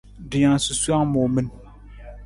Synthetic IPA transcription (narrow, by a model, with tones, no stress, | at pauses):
dɪ˨ɲã˨su˨su˦a˦ŋmʊ˨mĩ˦n